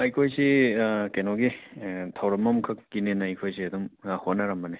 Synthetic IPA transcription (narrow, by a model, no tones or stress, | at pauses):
ɐjkʰojsikenɔɡitʰawɾɐmːɐmkʰɐkːinenajkʰojs̬iɐd̪umahonaɾɐmɐne